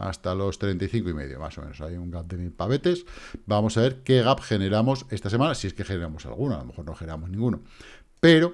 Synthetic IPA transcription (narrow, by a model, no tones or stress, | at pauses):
a̰st̪alo̞st̪ɾe̞nt̪ajθiŋkoime̞̰ðjo̞̰ma̰somḛ̃nosajuŋɡap̚d̪e̞milpaβe̞t̪e̞sbamo̞saβe̞ɾke̞ɣ̞apxe̞ne̞ɾamo̞se̞st̪ase̞mãnasieske̞xe̞ne̞ɾamo̞sa̰lɣ̞unoalo̞me̞xo̞ɾnoxeneɾamo̞znĩŋɡuno̰ | pe̞ɾo̞